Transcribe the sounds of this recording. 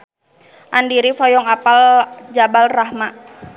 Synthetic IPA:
ʔandiɾifɔjɔŋapald͡ʒabalraɦma

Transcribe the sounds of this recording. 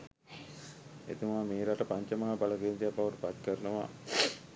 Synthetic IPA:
ḛt̪umameːɾaʈəpaɲt͡ʃɐmaɦabalɐkeːnt̪ijapːaʋəʈupat̪kəɾənəʋa̰

